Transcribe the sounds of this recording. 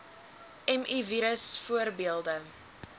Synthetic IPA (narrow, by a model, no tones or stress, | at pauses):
ɛmiviɾəsfuərbiəlˠdə